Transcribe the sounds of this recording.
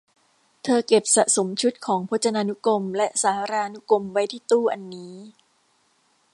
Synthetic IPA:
t̪ʰɤː˧ke˨˩p̚sa˨˩ʔso˩˦mt͡ɕʰu˦˥t̪̚kʰɔː˩˦ŋpʰo˦˥t̪̚t͡ɕa˧naː˧nu˦˥ko˧mlɛ˦˥ʔsaː˩˦ɾaː˧nu˦˥ko˧mwa˦˥jt̪ʰiː˥˩t̪uː˥˩ʔa˧nːiː˦˥

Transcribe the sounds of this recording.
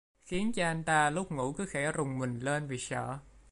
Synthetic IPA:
xi˨˦ənt͡ɕɔ˧ʔa˧jŋ̟t̪aː˧lʊ˦˥k͡p̚ŋṵ˧˩kɨ˨˦xɛ˧˩zʊ˨˩wŋ͡mmï˨˩ŋ̟le˧nvi˨˩sə̰ː˧˩˨

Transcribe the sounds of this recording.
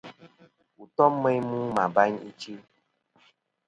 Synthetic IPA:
u˨t̪ɔ˦mː˦ẽ˦jmũ˦mã˨ba˦ɲḭ˦t͡ʃi˦

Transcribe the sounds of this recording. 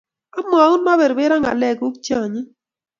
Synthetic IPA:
a˦mo˨a˨u˦nma˦be˨ɾbe˦ɾa˦ŋa̰˨lɛ˦˨ku˦kt͡ʃa˦˨ɲi˦

